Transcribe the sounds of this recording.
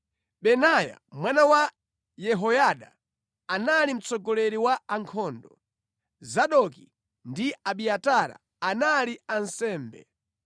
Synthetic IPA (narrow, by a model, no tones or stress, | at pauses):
ɓɛnaja̰mwanawa | jɛɦɔjaɗa | analim̩t͡sɔɡɔlɛɾiwaaŋkʰɔːndɔ | zaɗɔki | ndiaɓiataɾa̰ | analiansɛːmbɛ̰